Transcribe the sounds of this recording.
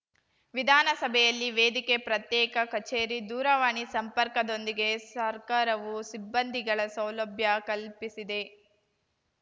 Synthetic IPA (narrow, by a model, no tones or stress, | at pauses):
ʋid̪ʱaːnɐsɐbʱɛjɐlːiʋeːd̪ikepɾɐt̪jɛːkɐkɐt͡ʃeːɾid̪uːɾɐʋaːɳisɐmpɐɾkɐd̪o̞nd̪iɡe̞sɐɾkaːɾɐʋusibːɐnd̪ʱiɡɐɭɐsɐwlɐbʱjɐkɐlpisid̪e̞